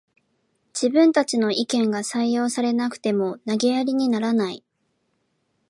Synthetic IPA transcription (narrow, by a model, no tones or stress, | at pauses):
d͡ʑ̥ibɯ̟̃nt̪at͡ɕino̞ʔikẽ̞ŋɡasaijo̞ːsaɾe̞nakɯ̟̥t̪e̞mo̞naɡejaɾʲiɲ̟inaɾanai